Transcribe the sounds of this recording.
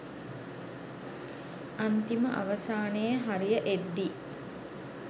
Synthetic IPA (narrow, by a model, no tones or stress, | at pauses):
ant̪iməʔa̰ʋɐsaːnejəɦaɾijəʔed̪ːi